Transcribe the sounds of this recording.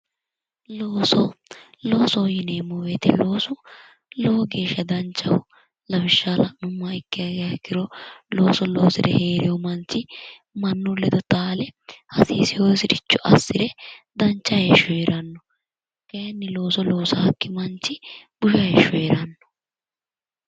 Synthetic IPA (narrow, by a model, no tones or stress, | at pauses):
loːsɔ | loːsɔjɪneːmːɔweːt̪ɛlo̞ːsʊ | loːɡe̞ːʃːɐd̪ɐnt͡ʃːɐwʊ | lɐbɪʃːaːlɐnʊmːɐɪkːɪjɐɡjɐkːɪɾɔloːsɔlo̞ːsɪd̪ɛheːɾɪjɔmɐnt͡ʃːɪ | mɐnːʊlɛd̪ɔt̪aːlɛhɐsiːsɪjosɪdɪt͡ʃːʊʔɐsːɪɾɛd̪ɐnt͡ʃːɐjɛʃːɔɛɾɐnːɔ | kɐjɐnːɪlo̞ːsɔlo̞ːsɐhɐkːɪmɐnt͡ʃːɪb̥ʊʃɐjɛʃːɔɛɾɐnːɔ̥